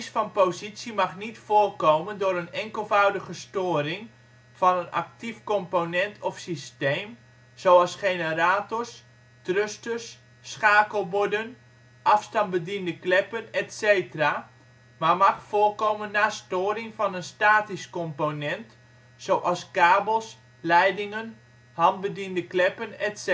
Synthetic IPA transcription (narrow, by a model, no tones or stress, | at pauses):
sfɔnpozisjimaxnitfoːrkoːməndʊɾənɛŋkəlˠvœwdəɣəstoːɾɪŋ | fɔnəna̰k̚tifkɔmponɛntʰɔfsisteːm | soːɑlˠsxenəraːtɔrs | trøstəsː | xaːkəlˠbʊdən | ʔɑfstɑnbədindəklɛpənɛtseːtəra | mamaxfoːrkoːmənːastoːɾɪŋfɔnənstaːtiskɔmponɛnt | sowʔɑskaːbəlˠs | lɛjdɪŋən | hɑnt̚bədindəklɛpənɛts